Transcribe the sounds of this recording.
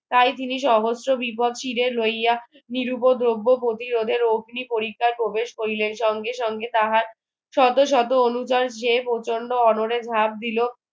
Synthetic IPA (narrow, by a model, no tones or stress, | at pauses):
t̪ajt̪iniʃɔɦosɾobipɔd̪ʃiɾeɾloja | niɾupod̪ɾobːopɾot̪iɾod̪ʱeɾoɡʱnipoɾikʰːaɾpɾobeʃkoɾileɾʃɔŋɡeʃɔŋɡet̪aɦaɾ | ʃɔt̪oʃ̬ɔt̪oonut͡ɕaɾʃepot͡ɕoɳɖoɔnoɾed͡ʑʱab̚d̪ilo